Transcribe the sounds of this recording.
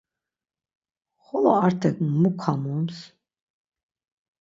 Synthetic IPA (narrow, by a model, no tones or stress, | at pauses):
χɔlɔɑɾt̪ʰɛkmukʰːamums